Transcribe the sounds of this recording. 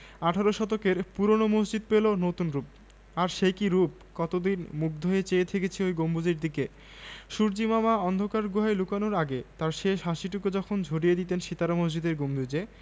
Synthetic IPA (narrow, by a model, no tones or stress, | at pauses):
aʈʰaɾoʃɔt̪okeɾpuɾonomosd͡ʑid̪̚pelonot̪unɾup̚ | aɾʃekiɾup̚ | kɔt̪od̪inmuk̚ʰd̪ʱoet͡ɕeet̪ʰeket͡ɕʰiojɡombʱud͡ʑeɾd̪ike | ʃuɾd͡ʑimamaɔnd̪ʱokaɾɡuɦaelukanoɾaɡet̪aɾʃeʃɦaʃiʈuked͡ʑɔkʰond͡ʑʱoɖijed̪it̪enʃit̪aɾomosd͡ʑid̪eɾɡombʱud͡ʑe